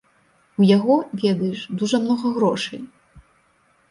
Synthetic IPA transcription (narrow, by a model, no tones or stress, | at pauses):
ujaɣɔvʲɛd̪ɐjɛʂd̪uʐɐmnɔɣɐɣɾɔʂɐ̰j